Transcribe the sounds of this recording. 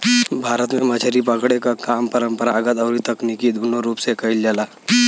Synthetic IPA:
bʱaɾət̪meməd͡ʒʱəɾipəkɽekakampəɾəmpəɾaːɡət̪əwɾit̪əknikid̪ʱunoɾupsekəild͡ʒala

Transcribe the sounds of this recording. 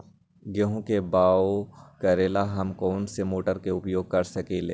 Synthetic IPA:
ɡeɦõkebaːokəɾeːlaɦɐmkɔːnsemoːʈəɾkeʊpjoːɡ̚kɐɾsɐkeːleː

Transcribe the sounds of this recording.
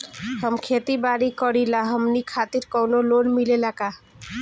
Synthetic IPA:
həmkʰet̪ibaɾikəɽilaɦəmnikʰat̪iɾkɔwnolonmilelaka

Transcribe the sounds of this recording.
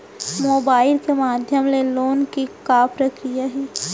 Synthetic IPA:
moːbaːɪlkemaːd̪ʱjəmleloːnkikaːpɾəkɾijaɦiː

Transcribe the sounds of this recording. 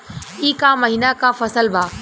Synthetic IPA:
iːkãmɐɦiːnakãfɐsəlbʱaː

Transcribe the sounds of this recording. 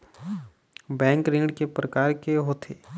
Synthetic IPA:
bɛ̃ːŋkɾɪ̃ŋɖkepɾəkaːɾkeɦoːt̪ʰeː

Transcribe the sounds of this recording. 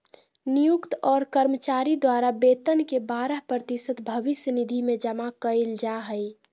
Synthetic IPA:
nijukt̪ɔːɾkəɾmət͡ʃaːɾid̪waːɾabeːt̪ənkebaːɾəɦpɾət̪isət̪bʱəʋɪsjənid̪ʱimẽd͡ʒəmakəɪld͡ʒaɦəj

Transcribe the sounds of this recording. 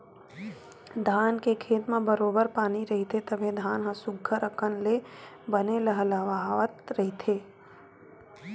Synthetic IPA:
d̪ʱaːnkekʰeːt̪mẽbəɾoːbəɾpaːniɾɐɦit̪ʰet̪əbʱẽd̪ʱaːnɦãsʊɡʱːəɾəkʰənle | bəneləɦləʋaʋət̪ɾəɦit̪ʰeː

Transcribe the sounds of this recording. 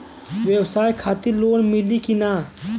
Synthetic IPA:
ʋjəwsaːjkʰaːt̪iloːnmɪlikinaː

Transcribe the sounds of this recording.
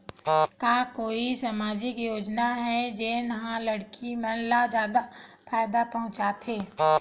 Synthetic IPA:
kaːkoːisamaːd͡ʒɪkjoːd͡ʒnaɦɛd͡ʒenɐɦãlɐɽkimɛ̃nlad͡ʒjaːd̪afʰaːjd̪apɐɦʊ̃t͡ʃaːt̪ʰeː

